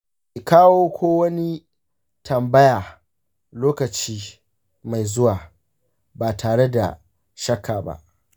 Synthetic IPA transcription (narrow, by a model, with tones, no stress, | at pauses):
ʔi˨kaː˦woː˦kʷʰoː˦wɐ˦ni˦ | tɐ˨mbɐ˦jaː˨ | loː˦kɐ˨t͡ʃiː˦ | ma˨jzʊ˦waː˨ | baː˨tʰaː˨ɽe˦da̰˨ | ʃɐ˦kʰːaː˨ba̰˦ʔ